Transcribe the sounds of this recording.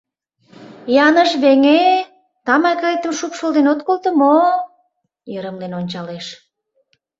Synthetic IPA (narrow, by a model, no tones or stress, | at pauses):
jɑnəʃβeŋe | t̪ɑmɑkəet̪əmʃupʃold̪enot̪̚kolt̪ə̆mo | jəɾəmlenonʲt͡ɕɑleʃ